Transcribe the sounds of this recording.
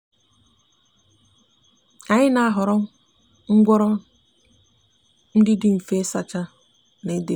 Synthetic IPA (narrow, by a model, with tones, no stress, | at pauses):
a˨ɲɪ˦na˦a˦ɦʊ˨ɾɔ˦ | ŋ̩˦ɡʷɔ˦ɾɔ˦ | n̩˦dɪ˦dɪ˦m̩˨fe˦sa˨t͡ʃa˦ | ne˨˦de˦